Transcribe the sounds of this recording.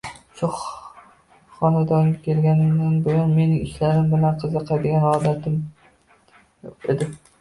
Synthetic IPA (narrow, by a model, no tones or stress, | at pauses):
ʃʊ | χɒnad̪ɒŋʲakʲʰe̞lɡʲanɪmd̪anbojʊnme̞nɪŋɪʃlaɾɪmbɪlanqʰɨzɨqʰɑjd̪ɪɡʲanɒd̪at̪ʰɪm | ed̪ɪ